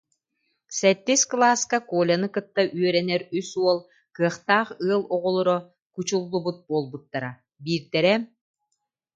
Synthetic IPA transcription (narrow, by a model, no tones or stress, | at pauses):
sɛt̪ːisklˠaːskakuːlʲanɯkɯt̪ːaʔyœɾɛnɛɾysuɔlˠ | kɯɐχt̪aːχɯɐlˠɔʁɔlˠɔɾɔ | kut͡ɕulˠːubut̪̚buɔlˠbut̪ːaɾa | biːɾt̪ɛɾɛ